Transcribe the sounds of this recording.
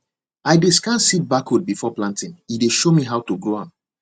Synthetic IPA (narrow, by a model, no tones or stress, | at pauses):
aɪdeskãnsit̚bakud̚bifɔplãntɪ̃nideʃomiɦawtuɡɹoãn